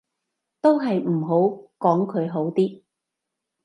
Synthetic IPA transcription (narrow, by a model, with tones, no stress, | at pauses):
t̪o˥wɦɐ˨jm̩˨˩ɦo˨˥wkɔː˨˥ŋkʰɵ˨˧ɥɦo˨˥wt̪iː˥